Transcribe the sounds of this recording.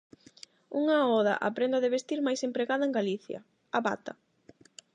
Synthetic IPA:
uŋaɔða̰ʔa̰pɾend̪aðeβest̪iɾmajsempɾeɣaðɐeŋɡaliθjɐ̰ | aβa̰t̪a

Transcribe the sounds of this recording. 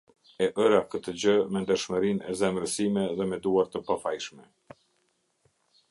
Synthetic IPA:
ɛʔəɾakət̪əd͡ʑəmɛnd̪əɾʃməɾinɛzɛmɾəsimɛðɛmɛd̪uaɾt̪əpafajʃmɛ

